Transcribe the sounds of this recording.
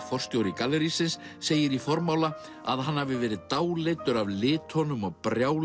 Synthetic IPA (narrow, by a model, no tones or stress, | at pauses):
fɔr̥st̪jowɾɪkalːɛɾisɪnsː | eːjɪɾifɔɾmaːwla | a̰ðɦanhavɪvɛːɾɪðt̪aːwlet̪ʏɾavlɪːt̪ʰhɔnʏmɔðpɾjaːwl